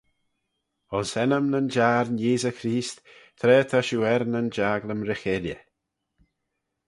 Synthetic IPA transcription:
ɔnsɛnəmnənd͡ʒaːɾnjeːzəkɾiːst̪t̪ʰɾɛːt̪ʰaʃuːɛɾnənd͡ʒaːɡləmɾɪxeljə̰

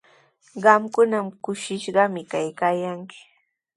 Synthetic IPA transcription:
ɢɑmkʊnamkʊʃɪʃɢɑmɪkajkaːjaŋkɪ̥

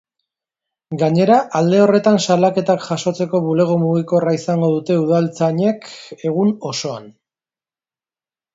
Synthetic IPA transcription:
ɡaɲe̞ɾaʔald̪e̞o̞re̞t̪ansalake̞t̪akʝaso̞t͡se̞ko̞βule̞ɣ̞o̞muɣiko̞raisaŋɡo̞ð̞ut̪e̞uðalt͡saɲe̞ke̞ɣ̞uno̞so̞an

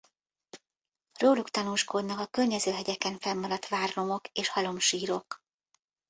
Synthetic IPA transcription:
roːlukt̪ɒnuːʃko̞d̪nɒkɒkørɲɛzøːɦɛɟɛkɛɱfɛmːɒɾɒt̪ʋaːrlo̞mo̞keːʃhɒlo̞mʃiːɾo̞k

